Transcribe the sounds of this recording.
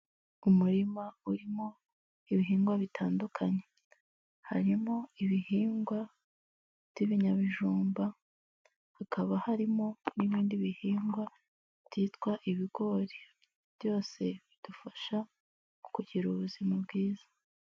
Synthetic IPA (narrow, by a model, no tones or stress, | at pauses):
umuɾimauɾimo̞ | iβiɦiːŋɡwaβitʰaːndukʰaɲe | ha̰ɾimo̞iβihiːŋɡwa | v̥iβiɲaβiʒuːmba | hakʰaβahaɾimo̞niβiːndiβihiːŋɡwḁ | tiːtwaʔiβiɡ̥o̞ɾe | β̥jo̞ːse̞βid̥ufaʃa | u̥kuɟiɾuβuzimabɡiːzḁ